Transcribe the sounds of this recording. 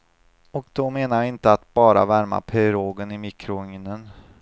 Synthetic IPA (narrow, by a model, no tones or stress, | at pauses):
ɔkd̪̥ɔmeːnaɾjaɪnt̪əat̪̚b̥ɑːɾa̰væɾma̰pʰɛɾoːɡənɪmikɾʊʏŋnən